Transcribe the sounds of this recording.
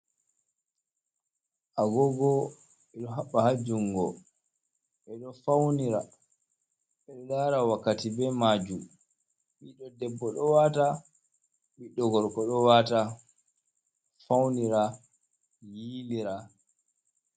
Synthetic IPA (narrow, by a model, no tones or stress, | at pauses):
ʔaɡɔɡɔ | ɛɗɔɦaɓːahad͡ʒuŋɡɔ | ɛɗɔfawniɾa | ɓɛɗɔɗaːɾawakːatibɛmaːd͡ʒum | ɓiɗɔdɛbːɔɗɔwata | ɓiɗːɔɡɔɾkɔɗɔwata | fawniɾa | jiːliɾa